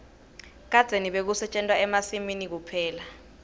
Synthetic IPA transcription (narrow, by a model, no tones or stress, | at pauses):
k̬ad̥z̥ʱeniɓek̬usɛt͡ʃʼɛntʼwaɛmasiminik̬upʰɛːla